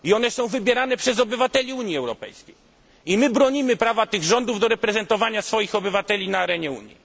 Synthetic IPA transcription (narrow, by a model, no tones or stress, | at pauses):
iɔn̪ɛsɔ̃w̃vɘbʲjɛɾan̪ɛpʂɛzɔbɘvat̪ɛlʲiuɲiɛwɾɔpɛ̰jskʲej | imɘbɾɔɲimɘpɾavat̪ɘɣʐɔnd̪uvd̪ɔɾɛpɾɛzɛnt̪ɔvaɲasfɔjixɔbɘvat̪ɛlʲinaːɾɛɲɛṵɲjḭ